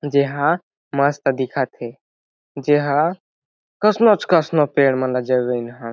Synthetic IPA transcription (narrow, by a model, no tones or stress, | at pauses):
d͡ʒeɦã | mast̪ad̪ikʰat̪ʰe | d͡ʒeɦã | kəsnot͡ʃkəsnopeɽmənlad͡ʒəɡənɦã